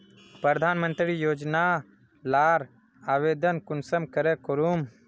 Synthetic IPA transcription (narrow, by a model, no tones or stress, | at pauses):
pɾəɾd̪ʱaːnmə̃nt̪ɾijoːd͡ʒna | laːɾ | aːʋeːd̪ənkʊnsəmkəɾɛkoɾum